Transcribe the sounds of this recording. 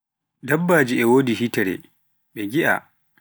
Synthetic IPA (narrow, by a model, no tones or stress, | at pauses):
dɐbːaːd͡ʒiɛwoːdihitɛɾɛ̰ | ɓɛɡʲiʔa̰